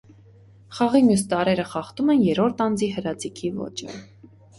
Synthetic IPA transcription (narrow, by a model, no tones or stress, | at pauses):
χɑʁimjust̪ɑɾɛɾəχɑχt̪umɛnjɛɾɔɾt̪ʰɑnd͡ziɦəɾɑt͡sikʰivɔ̰t͡ʃʰə̰